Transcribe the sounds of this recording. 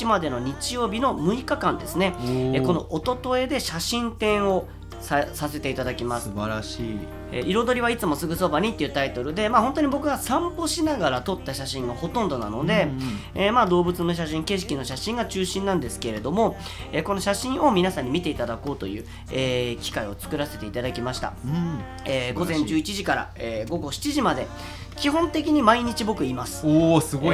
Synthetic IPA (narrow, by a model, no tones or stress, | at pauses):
imad̪e̞no̞ɲ̟it͡ɕijo̞ːbʲino̞mɯ̟ikakãnd̪e̞sɨne̞eko̞no̞ʔot̪o̞t̪o̞e̞d̪eɕaɕĩnt̪ẽ̞ɰ̃o̞ | sasase̞t̪e̞it̪ad̪akʲimasɨ̥ɾ | ḛʔiɾo̞d̪o̞ɾʲiβ̞ait͡sɨmo̞sɨɡɯ̟so̞baɲ̟it̪ːe̞iɯ̟ːt̪ait̪o̞ɾɯ̟d̪e̞maːhõ̞nt̪oɲibo̞kɯ̟ɡasãmpo̞ɕinaɡaɾat̪o̞t̪ːaɕaɕĩŋɡaho̞t̪õnd̪o̞na̰no̞d̪e̞eːmad̪o̞ːbɯ̟t͡sɨno̞ɕ̬aɕ̬ĩŋke̞ɕ̬i̥kʲino̞ɕaɕĩŋɡat͡ɕɨːɕĩnãnd̪e̞sɨ̥ke̞ɾe̞d̪o̞mo̞ | eːko̞no̞ɕaɕĩɰ̃ʔo̞mʲinasãɲ̟ːimʲit̪e̞it̪ad̪ako̞ːt̪o̞̰jɯ̟̰ː | ekʲi̥kaio̞t͡sɨ̥kɯ̟ɾase̞t̪e̞it̪ad̪akʲimaɕi̥t̪a̰ | eːɡo̞zẽ̞ɲd͡ʑɨːit͡ɕiʑikaɾa̰eːɡo̞ɡo̞ɕi̥t͡ɕiʑimad̪e̞ | kʲiɦõ̞nt̪e̞k̬ʲiɲ̟imaiɲ̟it͡ɕibo̞kɯ̟imasɨ̥sɨɡ